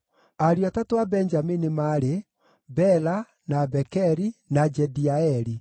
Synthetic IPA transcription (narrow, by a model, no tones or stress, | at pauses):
aɾiatatoabɛnd͡ʒaminimaɾe | bɛla | nabɛkɛɾinad͡ʒɛdiaɛɾi